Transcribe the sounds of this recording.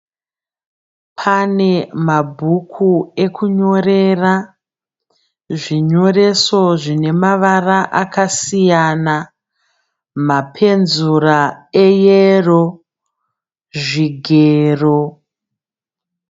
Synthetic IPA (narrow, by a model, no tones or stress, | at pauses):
pʰane̞mabʱukʰue̞kʰuɲo̞re̞ra | ʐiɲo̞re̞so̞ʐine̞maʋaraʔakasijana | mapʰe̞nzuraejero̞ | ʐiɡʱeːro̞